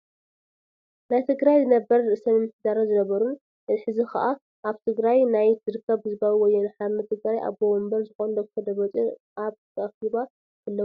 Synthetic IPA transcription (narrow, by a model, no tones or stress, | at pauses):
najt̪ʰɨɡɾajzɨnɐbɐɾɾɨʔɨsɐnɨnːɨħd̪aɾozɨnɐβɐɾun | ʔɨħɨzixʰa̰ʔa | ʔaβt̪ʰɨɡɾajnajz̥ɨɾɨkʰːɐβhɨzɨbawwɔjːonħaɾnɐt̪ʰɨɡɾajʔa̰βbowɔmbɐɾzɨxond̪ɐkt̪ʰod̪ɐβɐt͡sʼiʔaβt̪ʰɐʔɐxiβa | kʰɨlːɐ